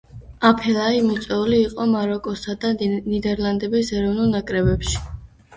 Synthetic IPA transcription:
apʰɛlaimit̪sʼɛuliːqʼɔmaɾɔkʼɔsad̪anid̪ɛɾlˠand̪ɛbisɛɾɔvnulˠnakʼɾɛbɛpʃi̥

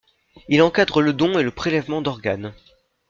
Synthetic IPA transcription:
ilɑ̃kad̪ʁələd̪ɔ̃eləpχelɛvmɑ̃d̪ɔʁɡan

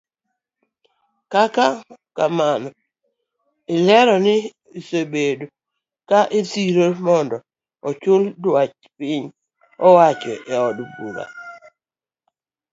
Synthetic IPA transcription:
kakakamanɔ | ɪlɛɾɔnɪ | sobedo | kaʔesiɾomɔndɔ | ɔt͡ʃʊldwat͡ʃ | pɪɲ | ɔwat͡ʃɔʔɛɔdbṵɾa̰

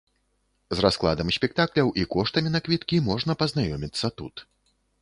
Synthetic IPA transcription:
zrasklˠa̰d̪ɐmsʲpʲɛk̚t̪aklʲɐwʔikɔʂt̪ɐmʲinɐkvʲit̪kʲimɔʐnɐpɐznajɔmʲit̪sːɐt̪ṵt̪

